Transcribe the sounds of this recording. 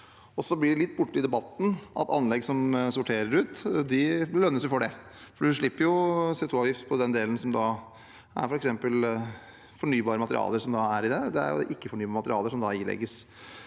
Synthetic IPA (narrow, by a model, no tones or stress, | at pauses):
ɔsɔblɪɖɛlɪt̪ːbʊʈːəɪd̪ɛbɑt̪ːn̩ʔɑ̰t̪ɑ̰nːlɛɡsɔmsʊʈʰeːɾəɾʉːt̪d̪ɪlœnːəsjʊfɔɖɛ | fɔɖʉʂɭɪpːəɾjʊsɛt̪ʰuːɑːʋjɪft̪pʰɔd̪ɛnd̪eːlən̩sɔmd̪ɑː | æ̰ɾfɔɾɛksɛmpəl | fɔɳyːbɑːɾəmɑt̪əɾɪ̰ɑ̰ːləɾʂɔmd̪ɑæɾɪd̪ɛd̪ɛæ̰ɾjʊ̰ʔɪkːəfɔɳyːbɑːɾmɑt̪əɾɪɑːləʂɔmd̪ɑɪlɛ̰ɡːəs